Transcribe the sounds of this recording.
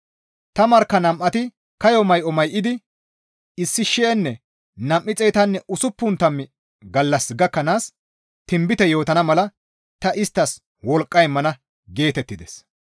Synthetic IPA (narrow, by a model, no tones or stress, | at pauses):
t̪ɐmɐɾkːɐnɐmʔːɐt̪ɪ | kɐjɔmɐjʔɔmɐjʔɪd̪ɪ | ɪsːɪʃɛːnːɛ | nɐmʔːɪt͡sʼɛjt̪ɐnːɛʔʊsʊpːʊnt̪ɐmːɪ | ɡɐlːɐsɡɐkːɐnaːs | t̪ɪmbɪt̪ɛjo̞ːt̪ɐnɐmɐlɐ | t̪ɐʔɪst̪ːɐs | wɔlkʼːɐjmɐnɐ | ɡe̞ːt̪ɛt̪ːɪd̪ɛs